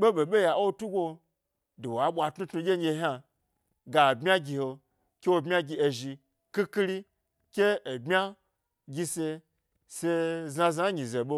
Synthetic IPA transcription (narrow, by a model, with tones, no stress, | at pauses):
ɓe˦ɓo˨ɓe˦ja˨o˦tu˦ɡʷo˧ | do˨wa˨˦ɓʷa˧tnu˦tnu˧ɡʲe˦e˧˦ɦʲa˧ | ɡa˨bmʲa˦ɡʲi˧ho˧ | kʲe˦wo˧bmʲ˦a˦ɡʲi˧e˧ʒi˧ | ki˦ki˦ɾi˦ | kʲeː˦˨bmʲa˦ | ɡʲi˧se˧ | se˧za˧za˦ɲĩ˨ze˨ɓo˦